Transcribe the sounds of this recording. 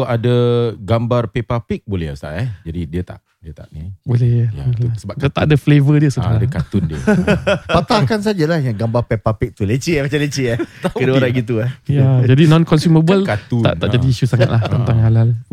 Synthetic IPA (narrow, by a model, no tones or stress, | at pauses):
adəɡambarpepapik̚bolɛ̰hst̪a̰ʔɛd͡ʒadidiət̪a̰ʔ | diət̪a̰ʔnibolɛja̰usəbaat̪aʔadəflevədiəsa̰dakat̪ʊndiə̰ | pat̪akans̬ad͡ʒalahjaŋɡambarpepapik̚t̪ulət͡ʃimat͡ʃalət͡ʃiakədaoɾaɡit̪̬uahjad͡ʒadinɔ̃nkɔnsuməbəlkat̪ua̰ʔt̪a̰ʔd͡ʒadiːʃusaŋat̪̚lat̪əntt̪aŋalal